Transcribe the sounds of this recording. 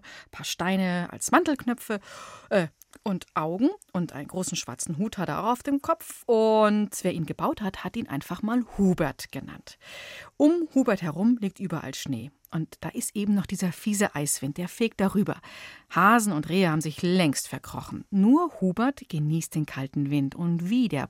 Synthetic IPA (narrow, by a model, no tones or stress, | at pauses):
pʰaːɐʃtaɪnəʔa̰lsmantl̩knœp͡fəʔɛː | ʔʊntʔaʊɡŋ̩ʔʊntʔa̰ɪnənɡʁoːsn̩ʃv̥a̰ɐt͡sn̩ɦuːthatəʔa̰ʊaʊfd̥eːmkʰɔpp͡fʊntv̥eːɐʔiːnɡəbaʊthathatʔiːnʔa̰ɪnfaχmaːlhuːbɛɐtɡ̥əna̰ntʔʊmhuːbɛɐthɛʁʊmliːk̚tʔyːbɐʔa̰lʃnḛː | ʔʊntd̥a̰ːʔɪstʔeːbm̩nɔχd̥iːzɐfiːzəʔaɪsv̥ɪnt̚d̥eːɐfeːk̚t̚d̥aʁyːbɐ̰haːzn̩ʊntʁeːəhaːbm̩zɪçlɛŋstfɛɐkʁ̥ɔ̰χn̩nuːɐhuːbɛɐtɡ̥əniːst̚d̥eːnkʰaltn̩vɪntʊntv̥iːdḛːɐ